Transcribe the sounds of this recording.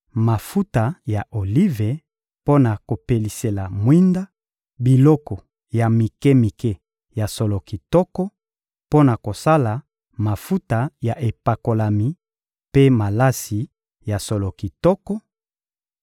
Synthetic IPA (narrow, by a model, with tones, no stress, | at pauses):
ma˨fu˦ta˨ja˨ʔo˨li˦ve˨ | po˦na˨ko˨pe˨li˨se˨la˨mwi˦nda˦ | bi˨lɔ˦kɔ˨ | ja˨mi˨ke˦mi˨ke˦ | ja˨so˨lo˨ki˨tɔ˦kɔ˦ | po˦na˨ko˨sa˦la˨ | ma˨fu˦ta˨ja˨ʔe˨pa˨ko˨la˨mi˨˦ | pe˦ma˨la˦si˨ | ja˨so˨lo˨ki˨tɔ˦kɔ˦